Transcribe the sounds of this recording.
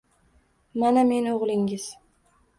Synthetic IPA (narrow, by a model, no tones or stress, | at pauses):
maname̞noʁlˠɪŋɪz̥